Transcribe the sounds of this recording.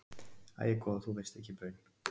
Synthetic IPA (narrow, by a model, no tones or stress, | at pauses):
a̰ːjɪkʰɔðθuvest̪ɛhcːɪpœɥn̥